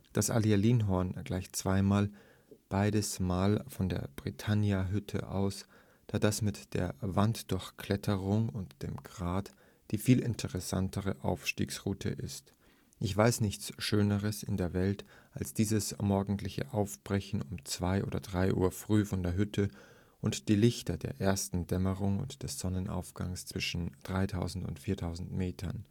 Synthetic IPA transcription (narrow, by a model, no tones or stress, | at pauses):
d̥asʔa̰lialiːnɦɔɐnɡ̥laɪçt͡sv̥aɪmaːl | b̥aɪdəsmaːlfɔndḛːɐb̥ʁitʰanjaɦʏtʰə̰ʔa̰ʊs | d̥aːdasmɪtd̥ḛːɐvantd̥ʊɐçkʰl̥ɛtʰəʁʊŋʊntd̥eːmɡʁaːt | d̥iːfiːlɪntʰəʁɛsa̰ntʰəʁəʔa̰ʊfʃtḭːksʁuːtʰə̰ʔɪst | ʔɪçv̥aɪsnɪçt͡sʃøːnəʁəsɪ̰ndeːɐvɛltʔalsd̥iːzəsmɔɐɡŋ̩tlɪçə̰ʔaʊfb̥ʁɛçn̩ʊmt͡sv̥aɪʔoːdɐ̰dʁaɪʔṵːɐfʁ̥yːfɔndeːɐɦʏtʰə | ʔʊntd̥iːlɪçtɐdeːɐʔeːɐstn̩dɛməʁʊŋʊ̰ntd̥ɛsz̥ɔnənʔa̰ʊfɡ̥a̰ŋst͡sv̥ɪʃn̩d̥ʁaɪtʰaʊzn̩tʊ̰ntfiːɐtʰaʊzn̩tmeːtʰɐ̰n